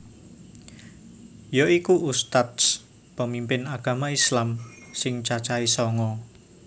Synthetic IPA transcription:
joikuʔust̪at̪s | pəmimpɪnaɡ̥a̤maislamsɪŋt͡ʃat͡ʃaisɔŋɔ

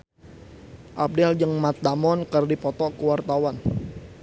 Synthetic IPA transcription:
ʔap̚dɛld͡ʒəŋmat̪̚damɔnkərdipɔt̪ɔkəwart̪awan

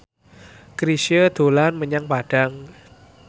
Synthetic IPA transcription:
kɾisəd̪̥o̤lanməɲaŋpaɖ̥a̤ŋ

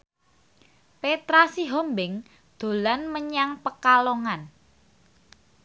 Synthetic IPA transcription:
pet̪ɾasiɦɔmbɪŋ | d̪̥o̤lanməɲaŋpəkaloŋan

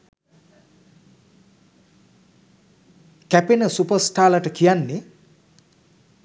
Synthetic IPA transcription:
kɛpenʌsupʌsʈʰalaʈʌkʰijanːi

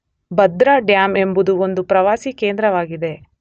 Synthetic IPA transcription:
bɐd̪ɾaːɖjaːme̞mbud̪uond̪upɾɐʋaːsike̞ːnd̪ɾɐʋaːɡid̪e̞

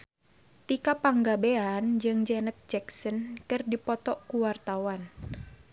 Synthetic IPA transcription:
t̪ikapaŋɡabeand͡ʒɨŋd͡ʒɛnət̪̚d͡ʒɛksɔnkɨrdipɔt̪ɔʔkuwart̪awan

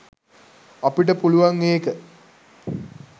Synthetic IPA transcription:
ɐpiʈəpuluʋaŋːeːkə

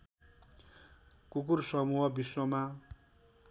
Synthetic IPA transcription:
kuk̬ursʌmuɦʌbiswʌma

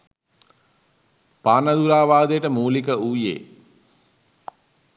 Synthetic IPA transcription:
paːnɐd̪uɾaːʋaːd̪ejəʈəmuːlikəuːjḛː

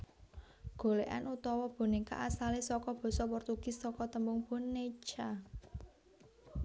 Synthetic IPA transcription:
ɡ̥o̤leʔa̰nut̪ɔwɔb̥o̤neka̰ʔasalesɔkɔb̥ɔ̤sɔpɔrt̪uɡ̥ɪ̤sːɔkɔt̪əmbʊŋb̥o̤nːet͡ʃa

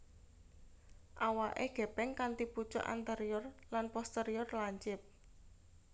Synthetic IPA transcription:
ʔawaʔeɡ̥ɛ̤pɛŋkant̪iput͡ʃɔ̰ʔa̰nt̪eɾiɔrlanpɔst̪eɾiɔrlaɲt͡ʃɪp̚

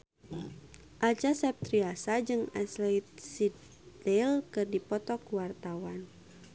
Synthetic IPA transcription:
ʔat͡ʃasɛp̚t̪ɾiasad͡ʒɨŋaslɛjt̪̚sid̪ | dɛlkɨrdipɔt̪ɔkuwart̪awan

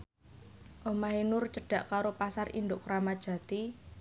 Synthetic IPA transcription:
ʔomaɦenʊrt͡ʃəɖ̥ä̤ʔkaɾopasarʔḭnd̪ʊkɾamḁʒ̥ä̤t̪i

